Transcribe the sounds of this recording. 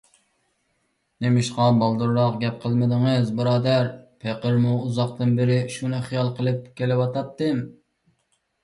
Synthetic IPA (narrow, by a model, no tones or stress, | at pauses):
nemɪʃqɑbɑlˠd̪uɾɾɑqɡʲɛp̚qʰəlˠmɪd̪ɨŋɨzbɨɾɑːd̪æɾpʰeqəɾmuuzɑq̚t̪ɨnbɪɾɪʃunɨχijɑlˠqʰəlˠɨp̚kʲʰelɪwɑt̪ɑp̚t̪ːɨm